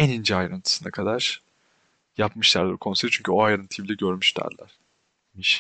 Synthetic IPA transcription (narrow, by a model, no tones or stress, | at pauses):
enind͡ʒɛajɾɯnt̪ʰɯ̥sɯnakʰad̪aɾ̥ | japmɯʃlˠaɾukʰo̞nseɾt͡ʃʰyɲcʰyo̞ajaɾɯnt̪ʰiblʲɛɟø̞ɾmyʃt̪æ̰ɾlʲæ̰ɾ̥ | miʃ